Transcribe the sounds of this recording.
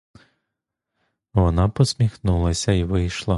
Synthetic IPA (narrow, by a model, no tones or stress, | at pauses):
ʋɔnɑpɔsʲmʲixnulˠɐsʲɐiʋɪjʃlˠɐ